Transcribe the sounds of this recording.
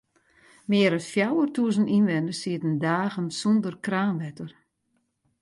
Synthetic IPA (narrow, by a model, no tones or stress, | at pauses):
mɪːəɾətfjawərtuəzəninʋɛnəsiətəndaːɣənsɔndərkraːnʋɛtər